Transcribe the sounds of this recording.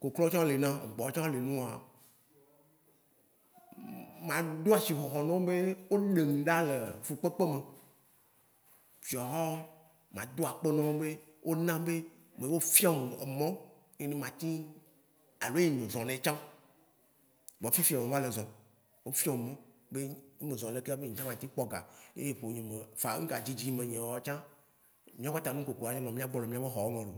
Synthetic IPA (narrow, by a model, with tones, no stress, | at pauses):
ko˨klɔ˦t͡ʃã˦le˨nã˦ḛ˨ɡ͡bɔ˨˦t͡ʃã˦le˨nũ˦˨a̰˨ | mã˨do˦a˨si˨xɔ˨xɔ˨nɔ̃˦be˦wo˦ɖe˨ŋ̩̃˨ɖa˦le˨fu˨k͡pe˦k͡pe˦me˨ | fi˨ɔ˨ɦɔ˦ | mã̰˨d̪o˦a˨k͡pe˦nɔ̃˦be˦ | wʔo˦nã˦be˦ | mẽ˨wo˦fi˦a˦m̰˨mɔ̃˦ | ɲẽ˦nẽ˦mã˨t̪ĩ˦ | a˨lo˨˦e˦˨ɲẽ˨zɔ̃˨nɛ̃˨˦t͡ʃã˦ | bɔ˨fi˦fi˦a˨mẽ˨va˦le˨zɔ̃˨ | wo˦fi˦ã˦me˨mɔ̃˦be˦e˦mẽ˨zɔ̃˨le˨ke˦be˦ɲĩ˨t͡ʃã˦mã˨t̪ĩ˦k͡pɔ˦ɡa̰˨jḛ˦je˦˨ɸo˨ɲĩ˨me˨fa˨˦ŋ̩˦ka˨d͡ʑi˦d͡ʑi˦mẽ˨ɲɛ̃˨wɔ˦t͡ʃã˦ | mĩ˦ã˦k͡pa˦t̪a˨nũ˦ko˨ko˨a˨ɲẽ˦lɔ̃˨mĩ˦a˦ɡ͡bɔ̃˦˨ne˨mĩ˦a˦be˦xɔ˨wo˦ŋɔ̃˨ɖo˨